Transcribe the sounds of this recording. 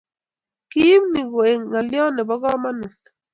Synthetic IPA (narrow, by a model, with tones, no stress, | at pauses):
ki˦mni˨ɡo˨e˨ŋːa˨ljɔ˦nɪ˨bɔ˦ɡɔ˦ma˦nɪ˨t